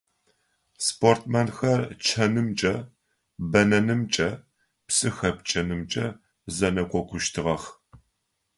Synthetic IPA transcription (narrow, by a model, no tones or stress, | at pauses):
spʰortʰmɐnxɐrt͡ʃʰɐnɨmt͡ʃʼɐ | bɐnɐnɨmt͡ʃʼɐ | psɨxɐp̚t͡ʃʼɐnɨmt͡ʃʼɐ | zɐnɐkʷʼɔkʷʰʼʊʃtʰɨʁɐx